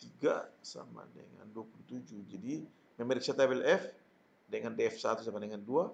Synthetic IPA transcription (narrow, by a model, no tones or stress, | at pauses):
t̪iɡa̰sa̰ma̰dɛ̰ŋa̰nduapulut̪ud͡ʒuhd͡ʒadi | mɛmɛɾiksat̪abɛlɛf | dɛŋandɛɛfsat̪usamadɛŋandua